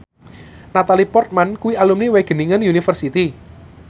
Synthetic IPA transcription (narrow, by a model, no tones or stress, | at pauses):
nat̪alipɔrt̪̚mankuwialumniweɡ̥ə̤niŋənjunifərsit̪i